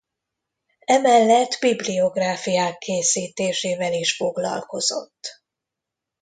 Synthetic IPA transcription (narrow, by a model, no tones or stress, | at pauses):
ɛmɛlːɛt̪ːbiblio̞ɡraːfijaːkʰːeːsiːt̪eːʃeːvɛliʃfo̞ɡlɒ̰lko̞zo̞̰t̪ː